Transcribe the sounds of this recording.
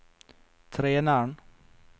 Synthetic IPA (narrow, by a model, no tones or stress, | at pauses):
t̪ʰɾeːnæːɳ